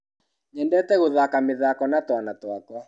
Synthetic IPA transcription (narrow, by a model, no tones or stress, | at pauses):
ɲɛndɛtɛɣoðakameðakɔnatwanatwakɔ